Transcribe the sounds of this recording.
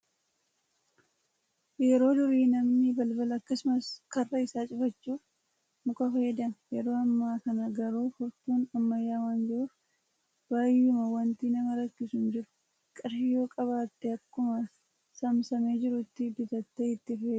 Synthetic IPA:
jɛɾo̞ːd̪ʊɾiːnɐmnɪbɐlbɐlɐɐkːɐsʊmɐskɐrːɐɪsaːt͡ʃʼʊfɐt͡ʃːuːf | mʊkʼɐfɐjɛd̪ɐnjɛɾo̞ːɐmːaːkɐnɐɡɐɾuːfʊɾt̪uːnɐmːɐjːaːwaːnd͡ʒɪɾʊf | baːjːʊmɐwɐnt̪iːnɐmɐɾɐkːɪsʊnd͡ʒɪɾʊ̥ | kʼɪɾhɪjo̞ːkʼɐβaːt̪ːeɐkːʊmɐs | sɐmsɐmeːd͡ʒɪɾʊt̪ːɪd̪ɪt̪ɐt̪ːeɪt̪ːɪfɐd̪

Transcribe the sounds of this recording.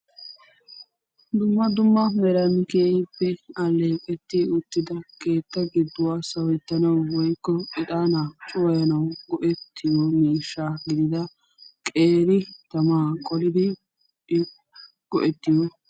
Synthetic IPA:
d̪ʊmːɐd̪ʊmːɐmɛɾɐnkeːjpːɛɐlːe̞ːpʼɛt̪ːiʊt̪ːɪd̪ɐkʰe̞ːt̪ːɐɡɪd̪ːʊwaːsɐwɛt̪ːɐnɐwwɔjkːɔʔɪt̪ʼaːnat͡ʃʼʊwɐjɐnɐwɡɔʔɛt̪ːɪjɔmiːʃːaːɡɪd̪ɪd̪ɐ | kʼeːɾɪt̪ɐmaːkʼɔlɪd̪ɪ | ɡ̥ɔʔɛt̪ːɪjɔ

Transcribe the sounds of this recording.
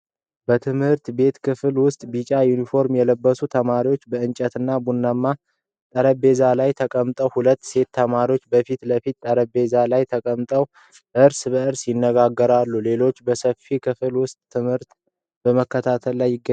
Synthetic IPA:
bət̪ʰɨmhɨɾt̪be̞t̪kʰɨfɨlwʊst̪ʼbit͡ʃʼajunifo̞ɾmjɛləbːəsut̪ʰəmaɾiwo̞t͡ʃːbəɨnt͡ʃʼət̪ɨnːabunːamːa | t̪ʼəɾəbe̞zalajt̪ʰəkʼəmt̪ʼəwhulət̪ːse̞t̪ːʰəmaɾiwo̞t͡ʃːbəfit̪ləfit̪t̪ːʼəɾəbe̞zalajt̪ʰəkʼəmt̪ʼəw | ʔɨɾsbəɨɾsjɪnːəɡaɡːəɾalːule̞lo̞t͡ʃːbəsəfikʰɨfɨlwʊst̪ʼːʰɨmhɨɾt̪ | b̥əməkːət̪ʰat̪ʰəlːajːɪɡːə

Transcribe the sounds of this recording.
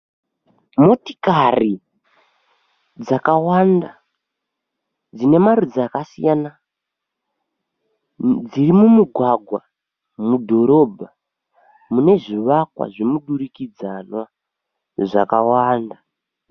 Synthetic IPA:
mo̞ti̥kari | d͡zakawanda | d͡zine̞maɾud͡zakasijana | d͡zirimumuɡʱwaɡʱwa | mudʱo̞ɾo̞bʱa | mune̞ʐiʋakwa̰ʐimuɗuɾikid͡zanwa | ʐakawaːnda

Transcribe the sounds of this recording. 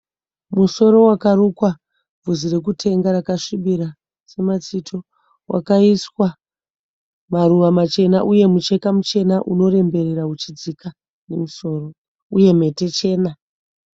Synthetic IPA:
muso̞ɾo̞wakaɾukwa | b͡vuzire̞k̬utʰe̞ŋɡaɾakaʂiɓiɾa | se̞mat͡sitʰo̞ | wʔa̰kaiswa | maruʋamat͡ʃe̞naʔuje̞mut͡ʃe̞kamut͡ʃe̞naʔuno̞ɾe̞mbe̞reɾaut͡ʃid͡zika | ne̞muso̞ːro̞ | uje̞m̤e̞te̞t͡ʃe̞ːna

